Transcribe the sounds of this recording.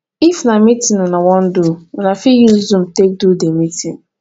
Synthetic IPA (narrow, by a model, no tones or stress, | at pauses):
ifnamitĩnunawɔ̃n̩duunafijuzũmtek̚dudemitĩn